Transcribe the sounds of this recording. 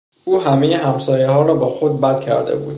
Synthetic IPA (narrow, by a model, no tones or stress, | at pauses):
ʔuːɦæmejeɦæmsɒːjehɒːɾɒːbɒːxod̪̚bæd̪̥cʰæ̰ɾd̪ḛbuːd̪̥̚